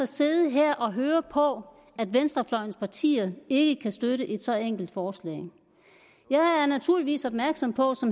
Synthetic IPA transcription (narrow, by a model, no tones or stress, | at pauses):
ɒse̝ðˠəɦeɐ̰ʔɒ̽ɦøːɐpʰɒ̽ | æd̥ʋensd̥ʁɐflɒɪ̰n̩spʰɑ̈t͡sʰḭːɐðˠe̝ɡ̥əkʰæsd̥øɾəʔe̝d̥sɒ̽eŋ̰ɡ̥l̩d̥fɒːslɛ̰ːɪ | jɑ̈ɪæɐnæt͡sʰuɐ̰liʋḭːsɒ̽b̥̚mæɐɡ̥sɒ̽mpʰɒ̽sɒ̽m